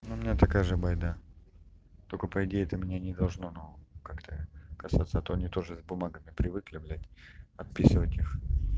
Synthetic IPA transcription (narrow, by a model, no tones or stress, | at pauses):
nuʊmʲɪnʲat̪ɐkajəʐɨbɐjd̪a | t̪okəpəɪdʲejɪt̪əmʲɪnʲanʲɪd̪ɐlˠʐnonukakt̪ʰəkɐsat̪səɐt̪oɐnʲit̪o̞ʐɨzbʊmaɡəmʲɪpɾʲɪvɨklʲɪblʲætʲɐt̪̚pʲisɨvətʲix